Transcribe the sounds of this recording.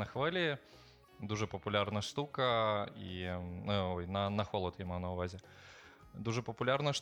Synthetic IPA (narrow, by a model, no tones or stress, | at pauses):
nɐxvɨlʲi | d̪uʐɨpɐpulʲarnɐʂt̪ukɐḭnɔjnɐnɐxɔlˠɐt̪jamawnɐʊvazʲi | d̪uʐɨpɐpulʲarnɐʂ